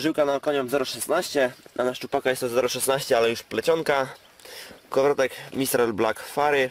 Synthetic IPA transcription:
ʐɘwkanaɔkɔɲɔzɛɾɔʂɛsnaɕt͡ɕɛnanast͡ʂupakajɛst̪ɔzɛɾɔʂɛsnaɕt͡ɕɛalɛjuʂplɛt͡ɕɔŋka | kɔvɾɔt̪ɛkmʲist̪ɾɛlblakfaɾɘ

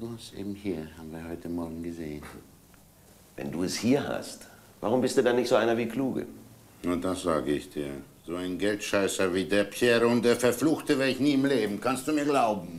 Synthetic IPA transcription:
d̥uʊsʔḛːbm̩hiːɐhaːbm̩viːɐhɔʏtʰəmɔɐɡŋ̩ɡəzeːən | vɛ̰nduːɛshiːɐha̰st | va̰ʁʊmbɪst̚d̥uːdanɪçtzoʔaɪnɐviːkʰluːɡə̰ | nod̥asz̥aːɡəɪçd̥iːɐzoːaɪnɡɛltʃaɪsɐviːdeːɐpɛːʁəʊntd̥eːɐfɛɐfluːxtəvɛɐɪçniːɪmleːbm̩kʰanstd̥uːmiːɐɡlaʊbm̩

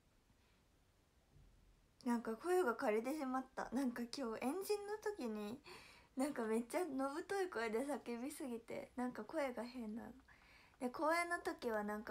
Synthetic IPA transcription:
nãŋkako̞eɡakaɾet̪̬e̞ɕimat̪ːa̰nãŋkakʲo̞ːʔẽ̞ɲ̟d͡ʑĩnːo̞t̪o̞kʲiɲ̟inãŋkame̞t͡ɕːano̞bɯ̟t̪o̞iko̞ed̪e̞sakʲebʲisɨɡʲit̪e̞̰nãŋkako̞e̞ɡahɦẽ̞nːa̰no | d̪̥e̞kʰo̞ːẽnːot̪o̞kʲiβ̞anãŋka

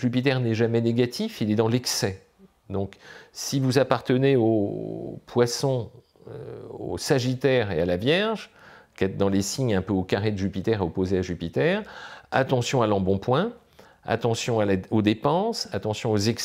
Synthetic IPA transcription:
ʒypit̪ɛʁnɛʒamɛneɡʲat̪ifilɛd̪ɑ̃lɛksɛ | d̪ɔ̃ksivuzapaʁt̪əneo | pwasɔ̃ | øo̰saʒit̪ɛʁealavjɛʁʒkɛt̪̚d̪ɑ̃lesiɲɛ̃pøokaʁed̪əʒypit̪ɛʁeɔpozeaʒypit̪ɛʁa̰t̪ɑ̃sjɔ̃alɑ̃bɔ̃pwɛ̃ | a̰t̪ɑ̃sjɔ̃alaod̪epɑ̃sat̪ɑ̃sjɔ̃ozɛks

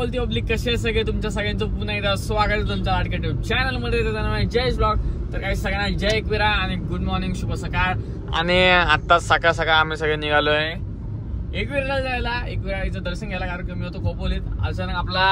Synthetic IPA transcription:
polt̪ipɔbliːkːəɕelsəɡɭet̪̬umt͡ɕas̬aɡɭẽnt͡sopunait̪asʋaɡət̪et̪əld͡zalaʈkeʈet͡ɕɛnəlməd̪ʱːjet̪et̪anamaid͡ʑesblɔk̚t̪əɾkaɦiːsəɡñad͡ʑeekʋiɾaaɽ̃iɡuɖmɔɾnĩŋɡɕupəsəkaɾ | a̰ñiat̪ːasakasakaːm̤iːsəɡɭeniɡʱaloae | ekʋiɾaɽəd͡zajlaekʋiɾait͡səd̪əɾɕənɡʱɛlakaɾənkəmiːɦot̪okʰop̚boliːt̪a̰saɾə̃apla

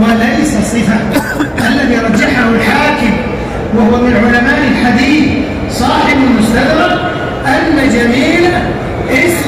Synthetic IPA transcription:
alajsɑsˤːɨfa | ʔʔalːaðiɾˤɑd͡ʒːaħahʊlħaːkɪm | wahʊwamɪnʕʊlamaːʔɪlħad̪iːθ | sˤɑːħɪmɪlmʊst̪ad̪ɾɑɾ | ʔanːad͡ʒamiːla | ʔɪs

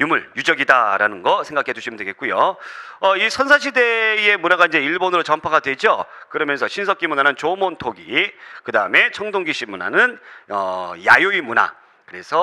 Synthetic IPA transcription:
jumɯɭjud͡ʑʌɡidaɾanɯnɡʌsʰeŋɡakʰe̞d͡ʑuɕʰimɯndweɡe̞t̚k͈ujoʌisʰʌnsʰaɕ̬ʰide̞je̞munaɡaind͡ʑe̞iɭbonɯɾot͡ɕʌmpʰaɡadwe̞d͡ʑokɯɾʌmjʌnsʰʌɕʰins̬ʰʌk͈imunanɯnt͡ɕomontʰoɡikɯdaɯme̞t͡ɕʰʌŋdoŋɡiɕʰimuna̰nɯnʌ̰ja̰joimuna̰ | kɯɾe̞sʰʌ

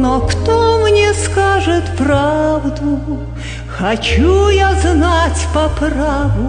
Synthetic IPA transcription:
nɔkt̪ɔmnʲɛskaʐɨt̪pravd̪u | xɐt͡ɕujaznat͡sʲpɐpravʊ

